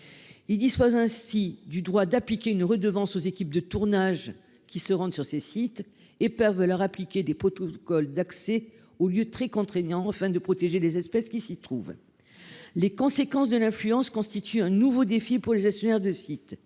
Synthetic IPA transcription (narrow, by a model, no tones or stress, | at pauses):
ild̪ispozɛ̃sid̪yd̪ʁwad̪aplikʲeynʁəd̪əvɑ̃sozekʲip̚d̪ət̪uʁnaʒ | kʲisəʁɑ̃d̪syʁsesit̪ | epɛʁvəlœʁaplikʲed̪epχɔt̪ɔkɔld̪aksɛ | oljøt̪χɛkɔ̃t̪χeɲɑ̃afɛ̃d̪əpχɔt̪eʒelezɛspɛskʲisit̪χuv | lekɔ̃sekɑ̃sd̪əlɛ̃flyɑ̃skɔ̃st̪it̪ʰyɛ̃nuvod̪efipuʁleʒɛkst̪jɔnɛʁd̪əsit̪